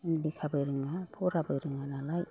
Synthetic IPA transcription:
indikʰabɯɾɯŋapʰɔɾabɯɾɯŋanalaj

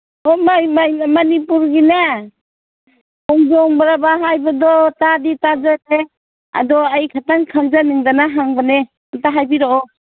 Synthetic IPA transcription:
ɔmajmamanipuɾɡina | ɔŋzɔŋbaɾabaɦajbadɔtaditazate | a̰dɔajkʰatankʰaŋzaniŋdanaɦaŋbane | antaɦajbiɾɔɔ

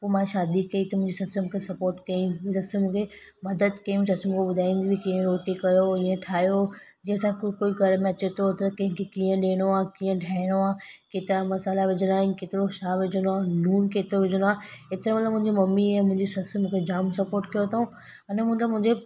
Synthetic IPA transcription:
poːmãːʃaːd̪ikɐit̪ɐmʊ̃ɦɪ̃ɲd͡ʑisɐsəmkʰesɐpoːɾʈkɐiũsɐsmũːkʰemɐd̪əd̪kɐjũsɐsəm̃kʰeɓʊd̪ʱaːĩnd̪ibʱikiə̃ɾoːʈikɐjoĩːə̃ʈʰaːjod͡ʑiːə̃sãkoːiɡʱɐɾmẽɐt͡ɕet̪ʰot̪ɐkɐ̃ɦɪ̃kʰekiːə̃ɗeːɽ̃oaːkiːə̃ɖʱaːɪɽ̃oaːkeːt̪ɪɾamɐsaːlaʋed͡ʑʱənaːɦĩkeːt̪ɪɾoʃaːʋɪd͡ʑʱənoaːnuːnkeːt̪ɪɾoʋɪd͡ʑʱəñoaːet̪ɪɾẽmɐt̪ləbmʊ̃ɦɪ̃ɲd͡ʑemɐmːiɛ̃mʊ̃ɪ̃ɲd͡ʑesɐsəmũːkʰed͡ʑaːmsɐpoːɾʈkɐjot̪ʰoũ | ɐnmʊ̃t̪ləbmʊ̃ɦɪ̃ɲd͡ʑe

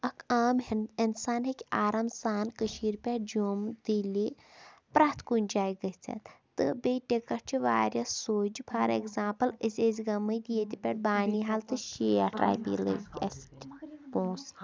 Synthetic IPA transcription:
ɐkʰaːminsaːnɦekʲaːɾamsaːnkəʃiːɾpʲeʈd͡ʒoːmd̪ilipɾaːt̪kunʲd͡ʒaːjɡɐt͡sʰɐ̰t̪t̪ɨbejʈekɐɾt͡ʃʰiʋaːɾʲjɐsːoːd͡ʒipʰɐɾḛɡzãːmpɐlisʲeːzɡɐmːɐjd̪ijet̪ipʲeʈ̚baːniɦalt̪ɨʃeːjɐʈɾa̰ːjpḭlɨ̰kʲɐ̰sʈpõːs

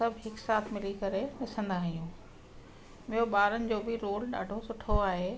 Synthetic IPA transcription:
ɐbʱɦɪksaːt̪ʰmɪlikɐɾenɐsə̃nd̪aːɦijũː | mɪjoɓaːɾənɪ̆d͡ʑoːbɪɾoːlɗa̰ːɖʱosʊʈʰoaːɦeː

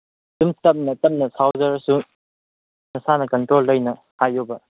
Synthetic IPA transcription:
tumtɐp̚nɐtɐp̚nɐsʰawzɐɾsu | nɐsanɐkɐntɾolːɐjnɐ | hajobɐ

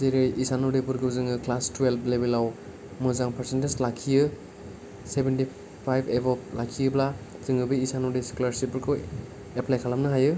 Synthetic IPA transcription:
ziɾɯjisanɔdipuɾɡɯzɯŋɯklastuwelp̚lebelaw | mɯzaŋpʰaɾsenteslakʰːijɯ | sebenti | pʰajbebɔp̚lakʰijɯbla | z̥ɯŋɯbɯjisanɔɾisi̥kulaɾsipːuɾkʰɯ | eplajkʰalamnɯɦajɯ

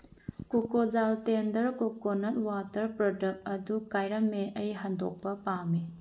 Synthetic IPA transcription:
kokozaltendɐɾkokonɐt̚watɐɾpɾodɐt̚ɐdukajɾɐmːeʔɐjɦɐndo̰k̚pɐpami

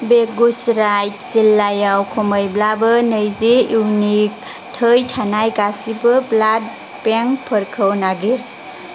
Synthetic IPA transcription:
beɡusɾajt̚silːajawkʰoməjblabɯnəjziiwnik̚ | tʰəjtʰanajɡasibɯblad̚ | peŋpʰəɾkʰəwnaɡiɾ

